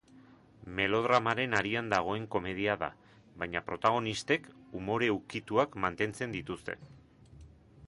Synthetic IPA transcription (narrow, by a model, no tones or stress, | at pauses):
me̞lo̞ð̞ɾamaɾe̞naɾiand̪aɣ̞o̞e̞ŋko̞me̞ð̞iaða̰ | βajɲapɾo̞t̪aɣ̞o̞nist̪e̞kumo̞ɾe̞ukit̪uakmant̪e̞nt͡se̞nd̪it̪ust̪e̞̰